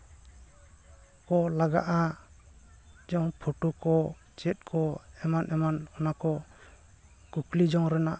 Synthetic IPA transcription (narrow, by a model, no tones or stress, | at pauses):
kɔlaɡa̰ʔa | d͡ʒawpʰɔʈukɔ | t͡ʃɛt̪̚ˀkʰɔɛmanʔɛmanɔnakɔ | kuklid͡ʒɔŋɾɛna